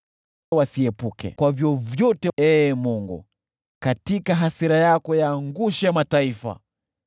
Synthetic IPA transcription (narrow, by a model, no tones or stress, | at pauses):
wasiɛpukɛ̰kwavjɔvjɔtɛɛmuŋɡṵ | katikaɦasiɾajakɔjaːŋɡuʃajamataifa̰